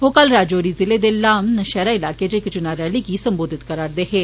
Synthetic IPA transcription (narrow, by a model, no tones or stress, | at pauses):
ɦoːkalɾaːd͡ʒoːɾiːzɪleːd̪eːlaːmnəʃɛːɾaːɪlaːkeːd͡ʒeːkd͡ʒʊnaːɾɛːliːɡiːsəmboːd̪ɪt̪kəɾaːɾd̪eːɦeː